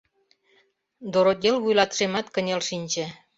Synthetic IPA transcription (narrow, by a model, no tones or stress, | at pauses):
d̪oɾod̪ʲelβujlɑt̪ʃemɑt̪kə̆nʲelʃinʲt͡ɕĕ